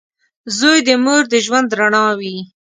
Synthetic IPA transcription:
zojd̪əmoɾd̪əʒwand̪ɾaɳɑwi

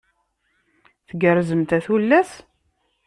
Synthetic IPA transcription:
θəɡəɾzəmt̪æθulːæs

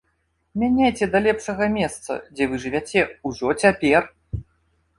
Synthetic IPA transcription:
mʲanʲajt͡sʲɛd̪ɐlʲɛpʂɐɣɐmʲɛst̪sɐ̰d͡zʲɛvɨʐɨvʲat͡sʲɛuʐɔt͡sʲapʲɛr

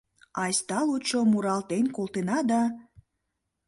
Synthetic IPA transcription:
ɑjst̪ɑlut͡ʃomuɾɑlt̪enkolt̪enɑd̪ɑ

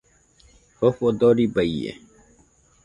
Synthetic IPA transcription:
hofod̪oːɾibɐiḛ

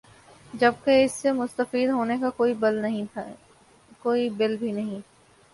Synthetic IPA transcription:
d͡ʒɐb̚keɪsːemʊst̪əfiːd̪ɦoːnekakoːibɪlnɐɦĩ | koːibɪlbʱinɐɦĩ

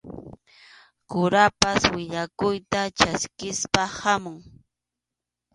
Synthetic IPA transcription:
kʊɾapaswɪʎakʊjt̪at͡ʃaskɪspahamʊŋ

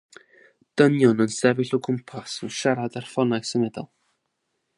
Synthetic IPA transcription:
d̥ənjɔnənsɛvɪɬɔkʰʊmpʰasənʃaɾadarfɔnajsəmɛdɔ̰lˠ

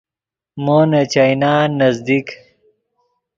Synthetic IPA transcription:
moːnɐt͡ɕajnaːnɐzd̪ik

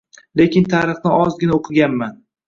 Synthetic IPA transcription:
le̞kʲɪnt̪ʰaːɾɨχnɪɒzɡʲɪnaoqʰɨɡʲanman

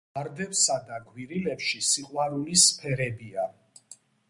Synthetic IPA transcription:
aɾd̪ɛpsad̪aɡwiɾilɛpʃisiqʼwaɾulispʰɛɾɛbia

